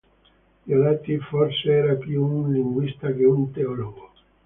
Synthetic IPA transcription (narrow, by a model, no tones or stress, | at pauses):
iolɛt̪ːifɔrseɛːɾapjuunliŋɡwist̪ak̟eunt̪eɔloɡo